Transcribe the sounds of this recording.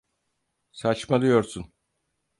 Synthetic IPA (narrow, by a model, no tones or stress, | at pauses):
sat͡ʃmalˠɯjo̞ɾsun